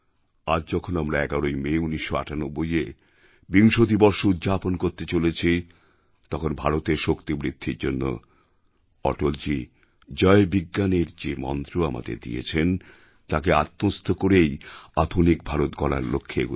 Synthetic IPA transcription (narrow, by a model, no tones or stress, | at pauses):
ad͡ʑd͡ʑɔkʰonamɾaɛɡaɾojmeuniʃːoa̰ʈanobːoje | biŋʃot̪ibɔɾʃoud̪d͡ʑaponkoɾt̪et͡ɕolet͡ɕʰi | t̪ɔkʰonbʱaɾot̪eɾʃokt̪imɾid̪ʱːiɾd͡ʑonːo̰ | ɔ̰ʈold͡ʑi | d͡ʑɔebiɡːaneɾd͡ʑemɔ̰nt̪ɾoama̰d̪ḛɾd̪ḭjḛt͡ɕʰen | t̪akeat̪ːost̪ʰokoɾejad̪ʱonik̚bʱaɾot̪ɡɔla̰ɾlo̰kʰːeḛɡu